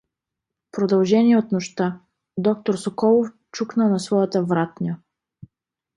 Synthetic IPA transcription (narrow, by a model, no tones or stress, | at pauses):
pɾod̪ɐlˠʒɛniɛot̪noʃt̪a | d̪ɔk̚t̪oɾsokɔlˠof | t͡ʃuknəlnɐsvɔjət̪əvɾat̪nʲə